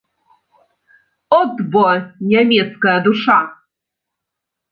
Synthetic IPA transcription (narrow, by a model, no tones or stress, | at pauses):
ɔd̪bɔnʲɛmʲɛt̪skajad̪uʂa